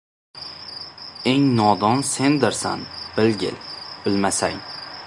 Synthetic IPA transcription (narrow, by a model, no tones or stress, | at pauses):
e̞ŋnɒd̪ɒnse̞nd̪ɪɾsa̰nb̥ɪlɡʲɪ̰lb̥ɪlmasa̰ŋ